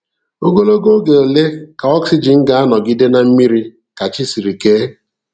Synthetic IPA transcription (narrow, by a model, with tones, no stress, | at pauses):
o˦ɡo˦lo˦ɡo˦ɡe˨o˨le˦ka˨ɔ˦ksi˦˨d͡ʒi˨ŋ̩˦ɡa˦a˦nɔ˨ɡɪ˦de˦na˨m̩˦mi˦ɾi˦ | ka˨t͡ʃi˦si˨ɾi˨ke˦